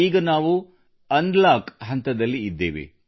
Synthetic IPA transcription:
iːɡɐnaːʋu | ɐnd̪laːkɦɐnt̪ɐd̪ɐlːiːd̪ːe̞̰ːʋḛ

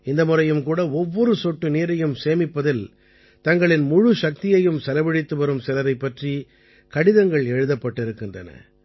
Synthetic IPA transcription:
ɪnd̪ɐmʊrɐjɯmkuːɽɐɔʋːɔɾɯsɔʈːɯniːɾɐjɯmseːmɪpːɐðɪl | t̪ɐŋɡɐɭɪnmʊɻɯʂɐk̚t̪ɪjɐjɯmsɛlɐʋɪɽɪt̪ːɯʋɐɾɯmsɪlɐɾɐɪpːɐʈri | kɐɽɪðɐŋɡɐɭɛɻɯðɐpːɐʈːɪɾɯkːɪndrɐnɐ̰

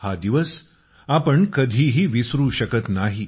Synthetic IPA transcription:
had̪iʋəs | apəɳkəd̪ʱiːɦiːʋisɾuːɕəkət̪naɦi

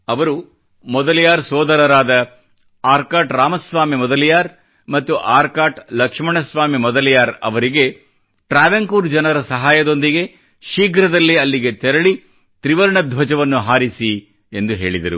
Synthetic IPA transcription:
ɐʋɐɾu | mɔd̪ɐlijaːɾsɔːd̪ɐɾɐɾaːd̪ɐ | aːɾkaːʈɾaːmɐsʋaːmimɔd̪ɐlijaːɾ | mɐt̪ːuʔaːɾkaːʈlɐkʂmɐɳɐsʋaːmimɔd̪ɐlijaːɾɐ̰ʋɐɾiɡe̞ | ʈɾaːʋɐŋkuːɾd͡ʒɐnɐɾɐsɐɦaːjɐd̪o̞nd̪iɡe̞ | ʃiːɡɾɐd̪ɐlːiɐlːiɡe̞t̪ɛɾɐɭi | t̪ɾiʋɐɾɳɐd̪ʱʋɐd͡ʒɐʋɐnːuɦaːɾisi | end̪uɦe̞̰ːɭid̪ɐɾṵ

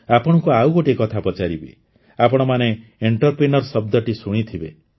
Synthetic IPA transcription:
apɔɽ̃ɔkuawɡoʈekɔt̪ʰapɔt͡ʃaɾibḛ | apɔɽ̃ɔmaneeɳʈɔɾpɾinɔɾsɔb̚d̪ɔʈisuɽ̃it̪ʰibe

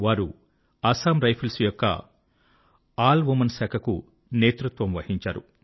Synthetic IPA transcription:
ʋaːɾu | aːsaːmɾɐjpʰɐlsujɔkːɐ̰ | aːlʋumɐnsaːkʰɐkṵ | neːt̪ɾut̪ʋɐmʋɐhiɲt͡ʃaːɾṵ

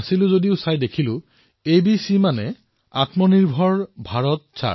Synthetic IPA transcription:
silʊ̃zodiʊsajdekʰilʊ̃ | ebisimanɛ | a̰tmɔniɹbʱɔɹbʱaɹɔt̚sa̰

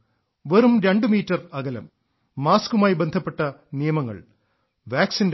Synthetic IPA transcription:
ʋerumɾeɳɖɨmiːtːɐrɐɣɐlɐ̰mː | aːskumaːjibend̪ʱɐpːe̞ʈːɐnijɐmɐŋːɐ̰ɭ | ʋaːksind

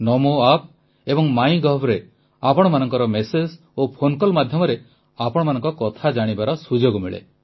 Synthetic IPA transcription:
nɔmoap̚ | ebɔŋmaj̃ɡɔbɾe | apɔɽ̃ɔmanɔŋkɔɾɔmesed͡ʒ | opʰonkɔlmad̪ʱjɔmɔɾe | apɔɽ̃ɔmanɔŋkɔkɔt̪ʰad͡ʒaɽ̃ibaɾɔsud͡ʒoɡumiɭḛ

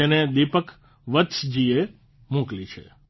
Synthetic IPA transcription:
ened̪ipək | ʋət̪sd͡ʒie | mũklit͡ʃʰḛ

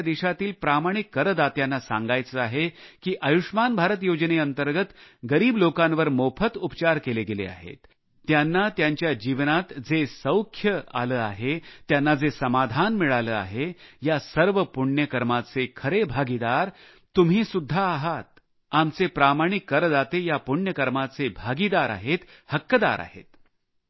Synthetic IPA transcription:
d̪iɕat̪iːlpɾamaɽ̃ikːəɾəd̪at̪janːasã̰ŋɡajt͡səaɦekiːʔəjuʂmanbʱaɾət̪jod͡ʑneənt̪əɾɡət̪ɡəɾiːblokãnʋəɾmopʰət̪upt͡ɕaɾkeleɡelḛa̰ɦḛt̪ː | janːat̪jaɲt͡ɕjad͡ʑiʋnat̪d͡zesə̃wkʰjəa̰ləːa̰ɦet̪janːad͡zesəmad̪ʱanmiɭaləːa̰ɦejasəɾʋəpuɳɳjəkəɾmat͡sekʰəɾebʱaɡid̪aɾ | t̪ːumɦiːsud̪ʱːaːɦat̪̚ | amt͡sepɾamaɽ̃ikːəɾd̪at̪ejapuɳjəkəɾmat͡sebʱaɡid̪aɾa̰ɦet̪ | həkːəd̪a̰ɾʔa̰ɦḛt̪

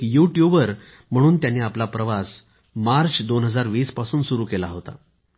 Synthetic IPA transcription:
kijuʈjubʋəɾ | m̤əɽ̃uːnt̪janːeːaplapɾəʋas | maɾt͡ɕd̪onɦəd͡zaɾʋiːspasuːnsuɾuːkelaɦot̪a̰

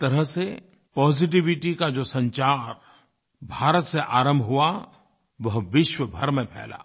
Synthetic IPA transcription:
t̪ɐɾəɦse | pɔːzɪʈ̬ɪʋɪʈikad͡ʒoːsɐ̃ɲt͡ʃaːɾ | bʱaːɾət̪seʔaːɾə̃mbʱɦua | ʋɐɦʋɪʃwəbʱɐɾmẽpʰɛ̰ːla̰ː

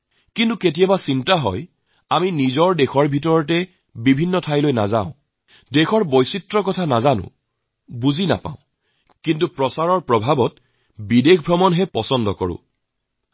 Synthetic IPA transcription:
kintuket̬ijabasintaɦɔ̰j | aminizɔɹdexɔɹbʱitɔɹɔtɛ | bibʱinːɔtʰajlojna̰zã̰ʊ̃ | dexʰɔɹbojsitɹɔkɔtʰanazanʊ̰̃ | buzina̰pa̰ʊ̃ | kintupɹɔsaɹɔɹpɹɔbʱabɔt | bidekʰbʱɹɔmɔnɦɛpɔsɔndɔkɔ̰ɹʊ̰̃

